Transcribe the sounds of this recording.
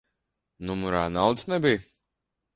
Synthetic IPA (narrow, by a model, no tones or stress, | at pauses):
numuɾa̰ːnawd̪snɛbij